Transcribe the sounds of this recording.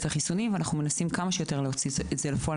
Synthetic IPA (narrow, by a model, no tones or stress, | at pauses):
taχisunimveanaχnume̞nasimkamaʃejo̞t̪e̞leot͡sizetz̥elefoa